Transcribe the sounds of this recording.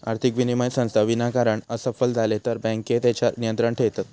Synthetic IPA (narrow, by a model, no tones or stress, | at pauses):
aɾt̪ʰikʋinimajsə̃w̃st̪ʰaʋinakaɾəɳəsəfəld͡zʱalet̪əɾbɛ̃ŋket̪et͡ɕanijənt̪ɾəɳʈʰeʋt̪at̪